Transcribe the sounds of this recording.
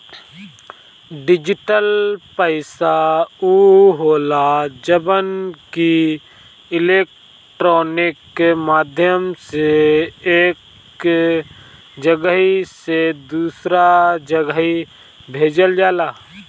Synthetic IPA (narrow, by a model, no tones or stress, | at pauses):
ɖɪd͡ʒɪʈəlpəɪsauːɦoːlad͡ʒəbənki | ɪleːk̚ | ʈɾoːnɪkmaːd̪ʱjəmseeːk | d͡ʒəɡəɦised̪uːsɾad͡ʒəɡəɦi | bʱeːd͡ʒəld͡ʒaːlaː